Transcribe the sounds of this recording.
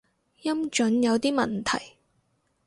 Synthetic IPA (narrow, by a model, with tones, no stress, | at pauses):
jɐ˥mt͡ʃɵ˨˥njɐ˨˧wt̪iː˥mɐ˨nt̪ʰɐ˨˩j